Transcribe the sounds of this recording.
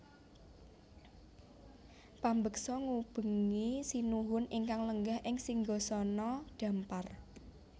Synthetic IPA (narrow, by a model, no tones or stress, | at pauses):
pambək̚sɔŋub̥ə̤ŋisinuɦʊnʔɪŋkaŋləŋɡahʔɪŋsiŋɡɔsɔnɔɖ̥ä̤mpar